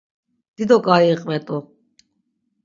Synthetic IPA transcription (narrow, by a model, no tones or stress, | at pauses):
d̪̥id̪ɔkʼaiːqʼmɛt̪ʼɔ